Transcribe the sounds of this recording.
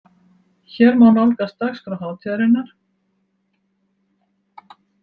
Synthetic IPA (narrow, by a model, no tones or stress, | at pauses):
çɛɾmawnalkast̪axsfɾawhɦaːwt̪ʰɛɾɪnːaɾ̥